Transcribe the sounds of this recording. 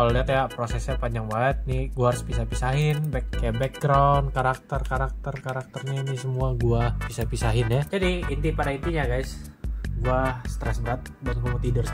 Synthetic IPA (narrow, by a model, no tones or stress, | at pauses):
kaloliɦat̪japɾosɛsɲapaɲd͡ʒaŋbaət̪̚niɡuaaɾʊspisahpisaɦɪnbɛkːajabɛk̚ɡɾawnkaɾak̚t̪ərkaɾak̚t̪ərkaɾak̚t̪ərɲainisəmuaɡuapisapisaɦɪnjad͡ʒadiːnt̪ipadaint̪iɲaɡajsɡuast̪ɾɛsbəɾat̪̚bankumut̪idʊr